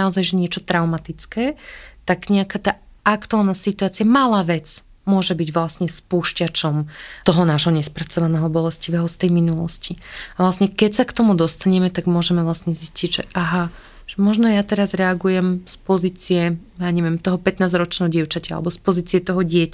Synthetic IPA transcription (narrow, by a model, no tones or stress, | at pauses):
naɔzajʒɛɲɪɛt͡ʃɔt̪ɾaʊmat̪it͡skɛːt̪aɡɲɛakat̪aːakt̪ualˠnasit̪uaːt͡siamalaːʋɛt͡s | mʊɔʒɛbiɟʋlasɲɛspuːʃcat͡ʃɔmt̪ɔɦɔnaːʒɦɔɲɛspɾat͡sɔʋanɛːɦɔbɔlɛsciʋɛːɦɔst̪ɛjminulɔsciaʋlasɲɛkɛcsakt̪ɔmud̪ɔst̪aɲɛmɛt̪aɡmʊɔʒɛmɛvlasɲɛzisciɟʒɛ̰ʔaɦa | ʒ̥ɛmɔʒnɔjat̪ɛɾazɾɛaɡujɛmspɔziːt͡siɛjaɲɛʋjɛmt̪ɔɦɔpɛt̪naːzɾɔt͡ʃnɛɦɔɟɪɛʊt͡ʃacɛa̰lɛ̰bɔspɔziːt͡siɛt̪ɔɦɔɟɪɛca